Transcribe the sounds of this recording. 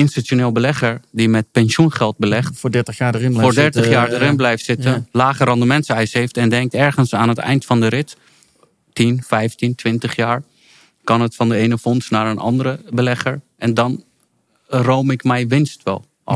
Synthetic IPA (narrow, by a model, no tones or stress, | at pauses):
ɪnstitonɪːlˠəbəlɛχəɹdimɛt̚pɛnsunχɛlˠt̚bəlɛχtfodɛɹtəχjaːəɪnoːɹdɛɹtəχjaːɹdəɾɪnblɛjftsɪtənlaːχəɾɑndəmɛnsɛjsɦejftɛndɛŋk̚tɛɹχənsaːnɦətɛ̰jntfɑndəɾɪt | tinfɛjftintʋɪntəχjaːɹ | kɑnətfɑndəejnəfɔnsnaːɹənʔɑ̰ndəɾəbəlɛχəɹʔɛndɑn | rowmɪkmɛjʋɪnstʋɛ̰l̰ˠ